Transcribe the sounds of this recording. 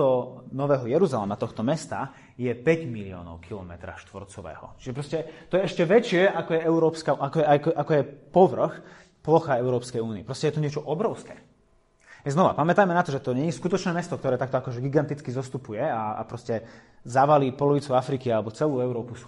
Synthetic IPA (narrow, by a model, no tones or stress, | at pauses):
ɔnɔʋɛːɦɔjɛɾuzalɛmat̪ɔxt̪ɔmɛst̪a | jɛpɛɟmilɪɔ̰ːnɔ̰ʊkʰilɔmɛ̰t̪ɾa̰ʃt̪ʋɔ̰ɾt͡sɔʋɛ̰ːhɔ̰t͡ʃiʒɛpɾɔscɛt̪ɔjɛɛʃcɛʋɛt͡ʃɪɛʔakɔjɛɛʊɾɔːpskaakɔɛakɔʔakɔjɛpɔʋr̩x | plɔxaɛʊɾɔːpskɛjuːniɛpɾɔscɛjɛt̪ɔɲɪɛt͡ʃɔʔɔbɾɔʊskɛ̰ː | znɔʋa̰pamɛt̪ajmɛnat̪ɔʒɛt̪ɔɲɛɲiskut̪ɔt͡ʃnɛːmɛst̪ɔk̚t̪ɔɾɛːt̪ak̚t̪ɔakɔʒɛɡiɡant̪it͡skizɔst̪upujɛaa̰pɾɔscɛ | zaʋaliːpɔlɔʋit͡suafɾikialɛbɔt͡sɛluːɛʊɾɔːpu